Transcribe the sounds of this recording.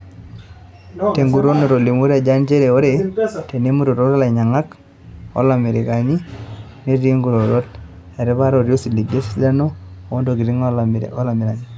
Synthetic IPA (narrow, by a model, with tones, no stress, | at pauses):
te˨ŋɡu˨ɾo˦no˨ɾo˨li˨mo˦ɾa˨d͡ʒa˦nt͡ʃe˦ɾe˨o˦ɾe˨te˨ne˦mu˦ɾo˨ɾo˦ɾa˦la˨ɲa˨ŋa˦k | o̰˦la˨mɪ˨ɾɪ˨ka˨ni˦ | ne˦ɾi˦ŋɡu˨ɾo˨ɾo˦t | ɛ˨ɾɪ˦ba˦ɾo˨ɾjo˦si˨li˨ɡe˦si̥da˦no˦˨o˦ndo˨ɡi˨ɾi˦ŋɔ˦la˨mɪ˨ɾa˨ni˨